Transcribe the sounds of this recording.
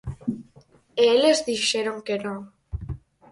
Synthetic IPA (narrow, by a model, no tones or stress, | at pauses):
eelezðiʃeɾoŋkenõŋ